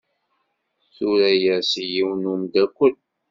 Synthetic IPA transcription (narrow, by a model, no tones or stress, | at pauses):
θuɾæjæsjiwnumd̪ækʷːəl